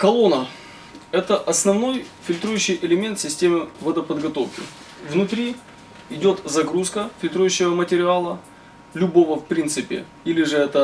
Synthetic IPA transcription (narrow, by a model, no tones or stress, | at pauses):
kɐlˠo̞nə | ɛt̪əʔɐsnɐvno̞jfʲɪlʲt̪ɾujʉɕːɪjʔɪlʲɪmʲe̞nt̪sʲɪsʲtʲemɨvəd̪əpəd̪ɡɐt̪o̞fkʲɪ̰ | vnʊt̪ɾʲi | ɪdʲo̞t̪zɐɡɾuskəfʲɪlʲt̪ɾujʉɕːɪvəmətʲɪɾʲɪalˠə | lʲʊbo̞vəfpɾʲint̪sɨpʲɪ̰ | ilʲɪʐɨɛt̪ə